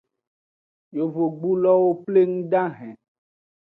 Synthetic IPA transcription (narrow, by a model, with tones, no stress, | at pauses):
jo˨vo˨ɡ͡bu˦lɔ˦wo˦ple˦ŋũ˦ɖã˦ɦɛ̃˨